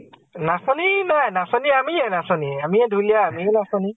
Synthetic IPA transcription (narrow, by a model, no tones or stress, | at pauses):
nãsɔ̃nĩnãnãsɔ̃nĩamĩjɛnãsɔ̃nĩamĩɛ̃duliamĩɛnãsɔ̃nĩ